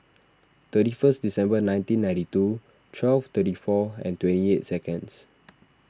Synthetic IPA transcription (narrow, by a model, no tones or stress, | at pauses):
t̪ətifəsdisɛ̃mbənãjntĩnːãj̃titu | tʰwɛlft̪ətifɔɛ̰̃ntwɛ̃niet̚sɛkə̃ns